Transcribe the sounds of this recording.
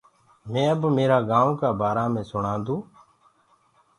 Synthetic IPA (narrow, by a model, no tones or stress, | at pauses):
mẽːəbmeːɾaːɡãːõːkaːbaːɾaːmẽːsʊɳãːnd̪ũː